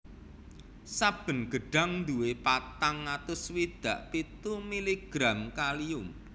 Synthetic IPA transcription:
sab̥ə̤nɡ̥əɖ̥a̤ŋnd̪uwepat̪aŋːat̪ʊswid̪̥a̤ʔpit̪umiliɡ̥ɾamkaliʊm

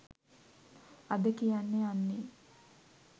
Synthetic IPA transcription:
ad̪əkijanːeanːe

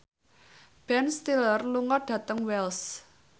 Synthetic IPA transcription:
b̥ɛnst̪ilərluŋɔɖ̥ä̤t̪əŋwɛls

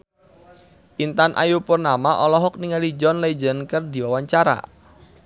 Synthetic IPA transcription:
ʔint̪anʔa̰jupʊrnamaʔɔlɔɦɔk̚niŋalid͡ʒɔnled͡ʒənkərdi̤wawaɲt͡ʃaɾa̰

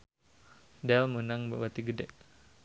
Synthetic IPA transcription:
dɛlmənaŋbabat̪iɡədɛʔ

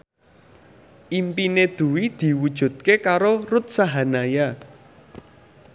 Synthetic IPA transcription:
ʔimpined̪̥ṳwid̪̥i̤wud̥ʒ̥ṳd̪̚kekaɾorut̪̚saɦanaja

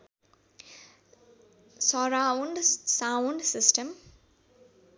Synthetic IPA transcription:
sɔɾaʊɳɖsaʊɳɖsɪsʈəm

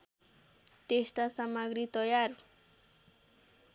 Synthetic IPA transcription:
t̪iʃt̪asamaɡɾit̪ojaɾ

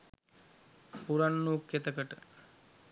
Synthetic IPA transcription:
puɾanːuːkːet̪əkəʈə

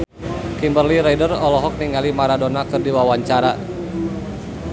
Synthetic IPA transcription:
kimbərliɾɛjdərɔlɔɦɔk̚niŋalimaɾadonakɨrdiwawaɲt͡ʃaɾa

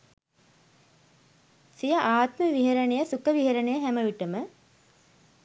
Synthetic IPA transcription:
sijɐʔaːt̪məʋiɦɐɾɐɳejəsukəʋiɦɐɾɐɳejəɦæməʋiʈəmə

